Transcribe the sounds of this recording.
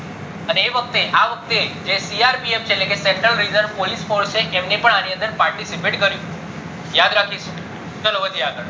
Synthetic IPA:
əneːʋək̚t̪eʔaʋək̚t̪ed͡ʒesiaɾpieft͡ʃʰeːtlekeseɳʈɾəlɾizəɾʋpolisfoɾst͡ʃʰeʔemnepəɳaniənd̪əɾpaɾʈisipeʈkəɾjũ | jad̪ɾakʰiʃ | t͡ʃəlobəd͡ʒ̪ʱiaɡəɭ

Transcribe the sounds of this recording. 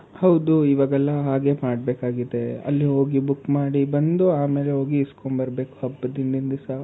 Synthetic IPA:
hɐwd̪uiʋaːɡɛlːɐɦaːɡe̞ːmaːɽbeːkaːɡid̪eɐ̰lːiɦo̞ːɡibukːmaːɽibɐnd̪uaːmeːleɦoːɡiskombɐɾbe̞ːku̥ɦɐbːɐd̪ind̪ind̪ɐsa

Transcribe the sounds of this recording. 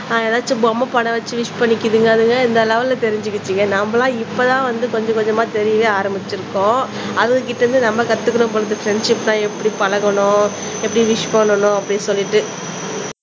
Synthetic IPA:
aːɛðaːt͡ʃːɯbɔmɐpɐɳɐʋɐt͡ʃːɯʋɪʂpɐɳːɪkːɯðɯŋɡɐːðɯŋɡɐɪnd̪ɐlɐːʋɐlɐt̪ɛɾɪɲd͡ʒɯkːɯt͡ʃːiŋɡɐnɐmbɐlãːɪpːɐt̪ãːʋɐnd̪ɯkɔɲd͡ʒɐ̃kɔɲd͡ʒɐmaːt̪ɛɾɪjɐʋeːaːɾɐmbɪt͡ʃːɪɾɯkːõː | ɐðɯŋɡɐkɪʈːɐɾɯnd̪ɯnɐmːɐkɐt̪ːɯkːɐɳɯ̃mpɔɭɐt̪ːɯfɾɛɳɖʂɪpːt̪ãːɛpːɐɽipɐlɐɣɐɳʊ̃ː | ɛpːɐɽiʋɪʂpɐɳːɐɳʊ̃ɐpːɐɽisɔlːɪʈːɯ

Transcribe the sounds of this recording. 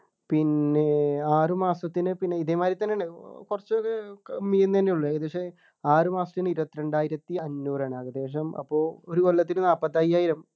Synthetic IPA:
pinːe̞aːrɨmaːsɐt̪ːinɨpinːe̞iðemaːɾit̪ːɐnːeɳːekurɐt͡ɕːokːekɐmːijenɐnːejuɭːɐɐðuɐkʂe | aːrɨmaːsɐ̥t̪iniɾupɐt̪ːiɾe̞ɳɖaːjiɾɐt̪ːiɐnːuːraːɳaːɣɐdeːʂ̬ɐmɐ̰pːo̞ːoɾukolːɐt̪ːinɨnaːpːɐt̪ːajaːjiɾɐm

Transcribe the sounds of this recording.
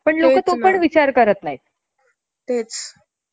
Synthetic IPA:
pəɳlokət̪opəɳʋit͡ɕaɾkəɾət̪nai | t̪et͡s

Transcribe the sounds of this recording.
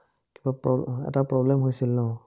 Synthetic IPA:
kibapɔɛ̰tapɹɔblɛmhojsilːɔ

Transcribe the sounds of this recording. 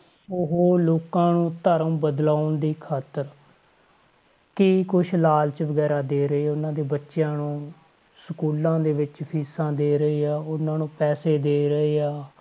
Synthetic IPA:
ʊɦoːloːkãːnũːt̪əɾə̃mbəd̪laːʊnd̪iːkʰaːt̪əɾ | kiːkʊʃʰlaːlt͡ʃʋəɡɛːɾaːd̪eːɾəeːʊnãːd̪eːbətːʃjãːnũː | səkuːlãːd̪eːʋɪt͡ʃpʰiːsãːd̪eːɾəeːaːʊnãːnũːpɛːseːd̪eːɾəeːaː

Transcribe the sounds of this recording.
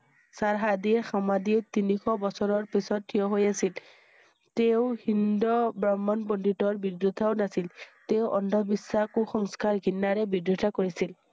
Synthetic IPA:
saɹɦadiɛxamadit̪inikʰɔbɔsɔɹɔɹpisɔttʰːijɔɦojasil | teʊhindɔbɹamːɔnpɔnditɔɹbidjut̪ʰawnasilteʊʔɔndʱɔbisːakuxɔŋskaɹɡʱinːaɹɛbidɾutʰakoɹisil

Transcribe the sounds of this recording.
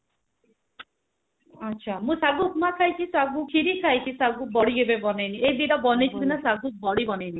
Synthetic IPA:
atːʃʰamũsaɡukmakʰajt͡ʃʰisaɡukʰiɾikʰajt͡ʃʰisaɡubɔɽiɡebebɔnejnied̪iɾɔbɔnet͡ʃʰik̪inasaɡubɔɽibɔnejni

